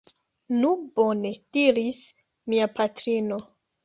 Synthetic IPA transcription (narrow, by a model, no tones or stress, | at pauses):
nubo̞ne̞d̥iɾis | miapatɾino̞